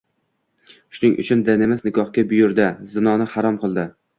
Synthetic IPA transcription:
ʃʊnɪŋʔʊ̰t͡ʃʰʊnd̪anemɪznɪɡɒhkʲabʊjʊɾd̪azɪnɒnɪhaɾɒmqɨlˠd̪ɪ

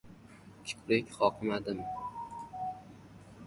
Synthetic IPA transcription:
kʲʰɪ̥kʰɾekʲχɒqʰɨmad̪ɪm

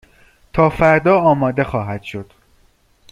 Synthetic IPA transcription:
t̪ʰɒːfæɾd̪ɒːɒːmɒːd̪e̞xɒːɦæd̪̥ʃo̞d̪̥

